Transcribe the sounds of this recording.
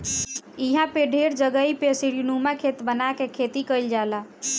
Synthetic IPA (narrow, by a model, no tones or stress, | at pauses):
iɦãpeɖʱeɾd͡ʒəɡəipesiɾunumakʰet̪bənakekʰet̪ikəjld͡ʒala